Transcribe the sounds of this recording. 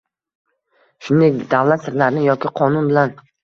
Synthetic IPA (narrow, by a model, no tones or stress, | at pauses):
ʃʊnd̪ekʲd̪avlat̪sɪɾlaɾnɪjɒkʲɪqʰɒnʊnbɪlan